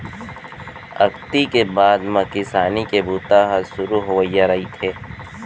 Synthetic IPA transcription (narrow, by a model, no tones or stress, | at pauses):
ɐ̰kt̪ikebaːd̪mɐkɪsaːnikebuːt̪aɦɐʃʊɾuɦoʋəijaɾɐɦit̪ʰeː